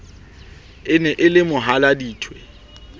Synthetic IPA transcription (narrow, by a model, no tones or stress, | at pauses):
ɪnɛʔɪlɪmʊɦaladiːtʰwɛ